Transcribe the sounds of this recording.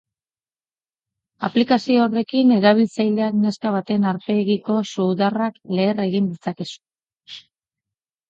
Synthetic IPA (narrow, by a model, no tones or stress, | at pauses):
aplikasio̞ːre̞kine̞ɾaβ̞ilt͡sajld̪e̞akne̞skaβ̞at̪e̞naɾpe̞ɣiko̞suðarakle̞ːre̞ɣind̪it͡sake̞su̥